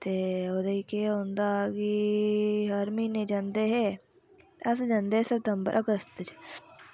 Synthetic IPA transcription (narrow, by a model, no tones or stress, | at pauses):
t̪eːod̪eikeɦõnd̪aki | ɦɐɾmĩnẽd͡ʒãːnd̪eɦɛ | ɐs̬d͡ʒãːnd̪eːɦsəɾt̪əmbə̰ɾʔɐɡəst̪əd͡ʒ